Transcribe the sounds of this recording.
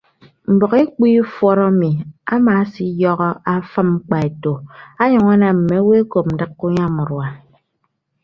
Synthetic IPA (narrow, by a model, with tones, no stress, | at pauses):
m̩˨bɔ˨ɣe˦k͡pi˦fwɔ˦ɾɔ˦mi˨a˦ma˨˦si˦jɔ˦ɣɔ˦a˦fə˦m̩˦k͡pa˨e˨to˨a˦ɲɔ˨ŋa˦na˨m̩˨me˨˦we˦ko˨p̚m̩˨dɨ˦kːu˦ɲa˦˨mu˨ɾwa˨